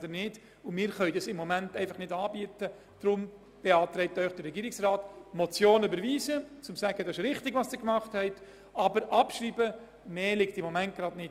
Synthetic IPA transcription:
dənɪd | ʊmɪːɾχœʏdɑsɪmːomæntɛɪfɑχnɪdɑːbiətə | d̥ɾʊm | b̥eɑːtɾɛɪp̚tœʏχd̥əɾɾɛɡiːɾɪksrɑːtmɔt͡sjoːnybəɾviːzət͡sʊmsæɡ̥ədɑsɪʃɾɪχtɪɡvɑsd̥ɪkmɑχthɛɪt | ɑbəɾʔɑpʃɾiːbə | meːlɪktɪmːomænt̚ɡ̥ɾɑdnɪt

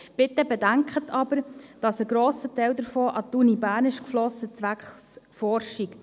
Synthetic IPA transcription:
b̥ɪt̪ːəbɛdæŋkχətʰɑbəɾd̥ɑsəɡ̥ɾoːsətɛɪld̪əɾfɔːʔɑt̪unibæːɾnɪʃkflɔsət͡sʋækχsfɔɾʃik

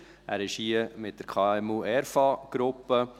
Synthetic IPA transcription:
æ̰ːɾɪʃhiəmɪt̚d̥əɾkʰɑːɛmuʔɛɾfɑɡ̥ɾʊpːə

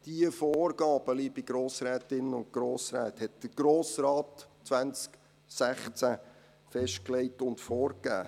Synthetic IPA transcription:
d̥iəfɔːrɡ̥ɑːb̥əlibiɡ̥ɾoːsɾæːtɪnənʊnt̚ɡ̥ɾoːsɾæ̰ːthɛt̚d̪̥əɾɡ̥ɾoːsrɑːtt͡sʋænt͡sk | sæχt͡sæ | fɛʃt̚klɛɪtʊntfɔːɾkːæ̰ː

